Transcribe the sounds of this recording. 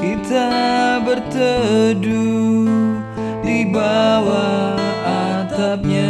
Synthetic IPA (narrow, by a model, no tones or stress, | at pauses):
kit̪abərt̪ədu | dibawaat̪ap̚ɲa